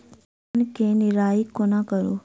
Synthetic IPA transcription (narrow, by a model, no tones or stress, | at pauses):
nkenɪɾaːikːonakəɾo̰